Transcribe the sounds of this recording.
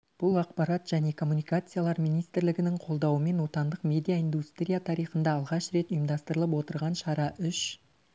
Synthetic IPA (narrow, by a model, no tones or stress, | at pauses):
b̥ʊlˠɑqpɑɾat̪ʒ̥æne̞kʰo̞mːunijkat̪sɨjalˠɑɾmijnijst̪ɪɾlɪɡʲɪnɪɴqʰo̞lˠd̪ɑwəme̞nwo̞t̪ɑnd̪əqmʲe̞d̪ijaind̪ust̪ɾijat̪ʰɑɾijχənd̪ɑːlˠʁɑʃɾe̞t̪ʊjəmd̪ɑst̪əɾəlˠəp̬wo̞t̪əɾʁɑnʃɑɾɑʔʏʃ